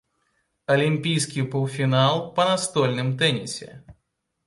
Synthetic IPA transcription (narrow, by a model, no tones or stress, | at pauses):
ɐlʲimʲpʲijskʲijpɔlˠfʲinalˠpɐnɐst̪olʲnɨmt̪ɛnʲɪsʲɪ̰